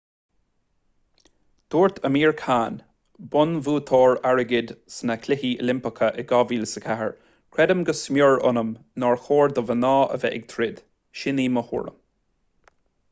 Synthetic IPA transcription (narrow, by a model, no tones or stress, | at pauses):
d̪̥uːɹt̪ʰəmiːɹkʰaːn | bʊnvuːt̪ʰɔːɹaɹəɡɪd̪sənakʰlɪɦiːə̰lɪmpəkʰəʔɛɡɑːviːlsəkʰaɦə̰ɹ | kʰɹɛd̪əmɡəsmjɔɹʊ̰nəmnɔɹxoːɹd̪əvənɑːə̰vɛ̰ʔɪɡ̚t̪ʰɾɪd̪̥ | ʃɪniːməhṵːɹə̰m